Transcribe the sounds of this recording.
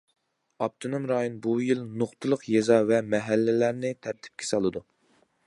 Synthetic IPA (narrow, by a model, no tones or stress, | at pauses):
ɑp̚t̪ʰonomɾɑjonbujilnoχt̪ʰɨlˠəqjezɑvɛmɛɦælːɪlæɾnɪt̪ʰæɾt̪ʰɪ̥p̚kʲʰɛ̥sɑlˠɨd̪u